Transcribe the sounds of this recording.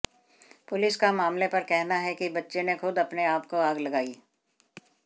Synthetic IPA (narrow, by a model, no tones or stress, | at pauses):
pʊlɪskamaːmlepɐɾkɛɦnaɦɛkibɐtːʃenexʊd̪ɐpneaːpkoaːɡlɐɡaːiː